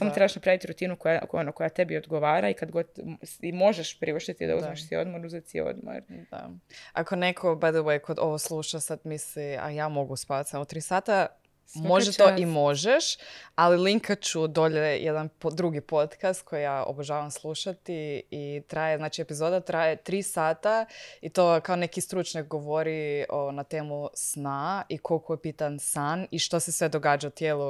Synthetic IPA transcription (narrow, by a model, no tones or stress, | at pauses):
samot̪ɾebaʃnapɾaʋit̪iɾut̪inukojao̰nokojat̪e̞biod̪ɡoʋaːɾaikad̪ɡo̞d̪simo̞ʒeʃpɾiuʃt̪et̪id̪a̰uzmeʃsiod̪moɾuzet̪sio̰d̪mo̰ɾd̪a̰ako̞nekʰo̞bad̪ewejkʰo̞d̪o̞ʋoslˠuʃasad̪mislia̰jaːmo̞ɡuspaːat̪samot̪ɾiːsaːt̪a | moʒet̪oimo̞ʒeʃaliliŋkʰat͡ʃud̪o̞ʎejʔed̪anpod̪ɾuɡipo̞t̪kast̪̚kʰo̞jijao̰boʒaːʋamslˠuʃat̪iit̪ɾajeznaːt͡ʃie̞pizoːd̪at̪ɾajet̪ɾiːsaːt̪ait̪oːkaone̞kist̪ɾut͡ʃɲak̚ɡoʋoɾioonat̪eːmusnaikʰo̞lkojepit̪ansaniʃt̪osesʋe̞d̪o̞ɡaːd͡ʒaut̪jeːlˠu